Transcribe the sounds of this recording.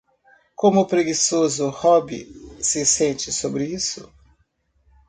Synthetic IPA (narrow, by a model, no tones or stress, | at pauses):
kõmʊpɾeɡisozʊhɔbḭsɪsẽnt͡ʃɪsobɾɪisʊ